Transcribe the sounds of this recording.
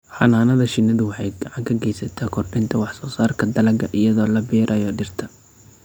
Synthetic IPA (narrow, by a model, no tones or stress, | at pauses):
ħɑnaːnɐðɐʃɪnɐðʊwɑħɑjɡ̥ɑʕɑŋkʰɐɡɛjsɐt̪ʰakʰɔrbɪnt̪ʰɐwɑħsɔːsaːrkʰɐd̪ɐlɐɡɐʔɪjɐðɔːlɐbɛːɾʔɐjɔːɖɪrt̪ʰɐ̥